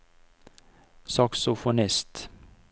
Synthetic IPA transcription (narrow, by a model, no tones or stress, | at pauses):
sɑksɔfɔɳɛst̪